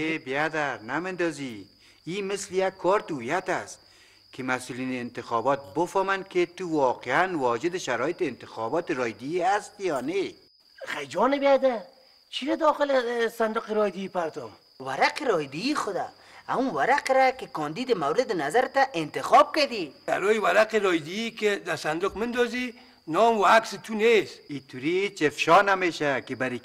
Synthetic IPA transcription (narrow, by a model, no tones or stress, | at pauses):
ebiad̪aɾnamɪnd̪ɔzi | imɪslɪjakʰːɔɾt̪ujat̪ast̪ | kʰɪmasulineːnt̪ɪxɔbɔt̪̚bʊfɔmanket̪uwɔqeanwɔd͡ʒɪd̪ɪʃaɾɔːjɪt̪eːnt̪ɪxɔbɔt̪ɪɾɔjd̪iiast̪jɔne | xajd͡ʒɔnɪbead̪a | t͡ʃʰiɾad̪ɔxɪlesand̪ʊqɪɾɔjd̪ɪipaɾt̪ɔm | waɾaqɪɾɔjd̪iixʊd̪a̰ | amuwaɾaqɾakɪkɔnd̪id̪ɪmawɾɪd̪ɪnazaɾt̪aʔɪnt̪ɪxɔb̚kad̪ia̰ɾɔjiwaɾaqɪɾɔjd̪iiked̪asand̪ʊqmɪnd̪ɔzi | nɔːmwaaksɪt̪ʰunesit̪ʰuɾiet͡ʃefʃɔːnameːʃakɪbaɾi